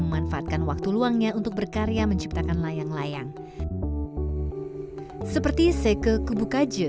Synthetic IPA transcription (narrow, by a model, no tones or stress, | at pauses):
məmanfaat̪̚kanwak̚t̪uluaŋɲaunt̪ʊk̚bərkaɾejaməɲt͡ʃip̚t̪akanlajaŋlajaŋ | səpərt̪isəkəkubukad͡ʒə